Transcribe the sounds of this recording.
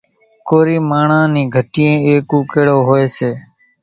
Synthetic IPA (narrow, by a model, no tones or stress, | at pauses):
koːɾiːmaːɳãːnĩːɡʱəʈijẽːeːkũːkeːɽoːɦoːeːseː